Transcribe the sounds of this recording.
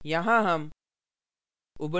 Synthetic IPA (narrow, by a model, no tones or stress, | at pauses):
jaɦãɦɐm | ubə